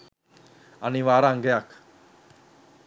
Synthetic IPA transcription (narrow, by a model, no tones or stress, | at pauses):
aniʋaɾaŋɡejakʰ